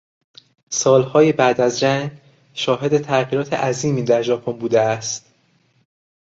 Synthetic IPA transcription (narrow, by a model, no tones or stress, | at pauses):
sɒːlhɒːjebæːd̪æzd͡ʒæŋɡ | ʃɒːɦe̞d̪e̞t̪ʰæɣiːɾɒːt̪ʰḛʔæziːmiːd̪æɾʒɒːpʰo̞nbuːd̪eæst̪